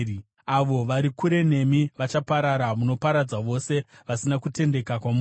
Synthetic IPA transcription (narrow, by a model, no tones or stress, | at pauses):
aʋo̞ʋaɾikuɾe̞ne̞miʋat͡ʃapaɾaɾamuno̞paɾad͡zaʋo̞se̞ʋasinakute̞nde̞kakwamu